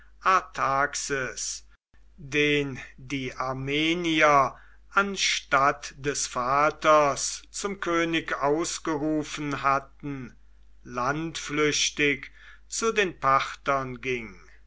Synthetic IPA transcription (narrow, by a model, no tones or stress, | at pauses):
ʔaɐtʰaːksəs | deːndiːʔaɐmeːniɐ | ʔanʃtatd̥ɛsfaːtɐst͡sʊmkʰøːnɪkaʊsɡ̥əʁuːfənhatn̩ | lantflʏɕtɪk | t͡sudeːnpʰaχtɐnɡɪŋ